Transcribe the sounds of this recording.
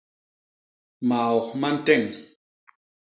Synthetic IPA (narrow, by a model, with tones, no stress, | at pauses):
ma˨ɔ˨kma˦n̩˦tɛ˦˨ŋ